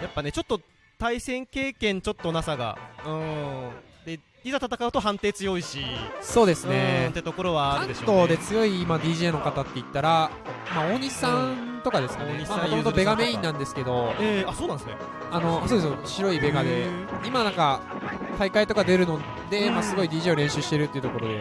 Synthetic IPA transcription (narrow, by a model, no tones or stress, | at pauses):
japːane̞t͡ɕo̞t̪ːo | t̪aisẽ̞ŋke̞ːkẽ̞ɲ̟t͡ɕo̞t̪ːo̞nasaɡa̰ɯ̟̃ | d̪e̞ | izat̪at̪akaɯ̟t̪o̞ɦãnt̪e̞ːt͡sɨjo̞iɕiso̞ːd̪e̞sɨɯñe̞t̪ːet̪o̞ko̞ɾo̞β̞aːɾɯd̪e̞ɕot̪o̞ːd̪e̞t͡sɨjo̞iːmad̪ʲiːʑe̞ːno̞kat̪at̪ːe̞it̪ːaɾa | maoɲ̟isãnnt̪o̞kad̪e̞sɨ̥kaeɲimaãtoot̪obe̞ɡame̞ĩnːãnd̪e̞sɨ̥ke̞d̪o̞aso̞ːnãnd̪esne | ano̞soːd̪esoɕiɾo̞ibe̞ɡad̪e̞imanãŋka | t̪aikait̪o̞kad̪e̞ɾɯ̟no̞ | d̪e̞masɨɡo̞id̪ʲiːʑeːo̞ɾẽ̞ɕɨɕi̥t̪e̞ɾɯ̟t̪ːeiɯ̟t̪o̞ko̞ɾo̞d̪e